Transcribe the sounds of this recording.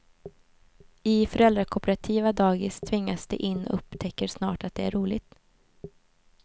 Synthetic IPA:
ɪfœɾɛld̪ɾakʰɔpəɾat̪ʰiːvad̪ɑːɡɪst̪ʰvɪŋːasd̪ɛ̰ʔɪnːɔ̰ɵpt̪ʰɛkːəʂnɑːʈat̪̚d̪ɛæ̰ɾuːlɪt̪

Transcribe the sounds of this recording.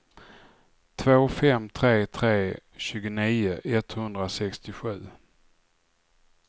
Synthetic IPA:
t̪ʰvoːfɛmt̪ʰɾeːt̪ʰɾeːɕʉ̟ːɡʊniːʊʔɛt̪hɵnd̪ɾasɛkst̪ɪɧʉ̟ː

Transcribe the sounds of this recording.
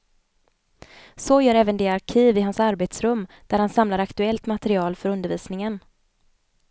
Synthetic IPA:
soːjœːɾɛːvənd̪eaɾkʰiːvɪɦansaɾbeːt̪sɾɵmː | d̪̥æɾhansamlaɾakt̪ɵɛlt̪mat̪ɛɾɪɑːlfœɾɵnd̪əɾviːsnɪŋən

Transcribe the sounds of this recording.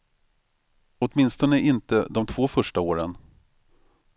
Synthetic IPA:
ɔt̪mɪnst̪ɔnəʔɪnt̪əd̪ɔmt̪ʰv̥oːfœʂʈaoːɾən

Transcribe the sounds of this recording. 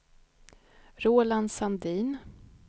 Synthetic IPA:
ɾoːland̪sand̪iːn

